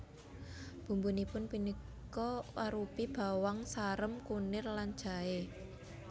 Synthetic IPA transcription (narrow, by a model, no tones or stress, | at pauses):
b̥ṳmbunipʊnpinikkɔwaɾupib̥a̤waŋsaɾəmkunɪrland̥ʒ̥a̤e